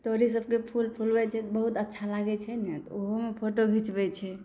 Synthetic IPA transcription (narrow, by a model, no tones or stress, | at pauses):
t̪oɾis̬əb̚ʱkepʰulpʰulbɛt͡ʃʰɛt̪ɔbəɦut̪ətːʃʰalaɡɛt͡ʃʰɛnɛt̪ɔoɦomepʰoʈobʱit͡ʃbɛt͡ʃʰɛ